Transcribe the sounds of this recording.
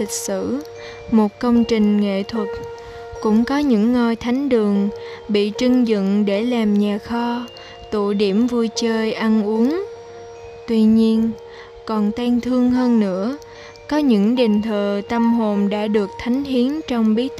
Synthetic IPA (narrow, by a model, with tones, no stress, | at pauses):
i˨˩k̟̚sɨ̰˧˨ | mo˨˩t̚kə˧wŋ͡mt͡ɕï˨˩ŋ̟ŋḛ˧˨t̪ʰwə˨˩t̚ | kʊ̰˧˥ŋ͡mkɔ˨˦ɲɨ̰˧˥ŋːəː˧jt̪ʰa˨˦jŋ̟ɗɨ˨˩əŋ | ɓḭ˧˨t͡ɕɨ˧ŋzɨ̰˧˨ŋɗe˧˩laː˨˩mɲaː˨˩xɔ˧ | t̪ṵ˧˨ɗi˧˩əmvu˧jt͡ɕəː˧jʔa˧nʔu˨˦əŋ | t̪wi˧ɲi˧ən | kɔ˨˩nt̪ɛ˧nt̪ʰɨ˧əŋɦəː˧nːɨ̰˧˥ə | kɔ˨˦ɲɨ̰˧˥ŋɗi˨˩ŋ̟t̪ʰəː˨˩t̪ə˧mɦo˨˩nɗa̰ː˧˥ɗɨ˨˩ək̚t̪ʰa˨˦jŋ̟ɦi˨˦ənt͡ɕɔ˧wŋ͡mɓi˨˦ət̚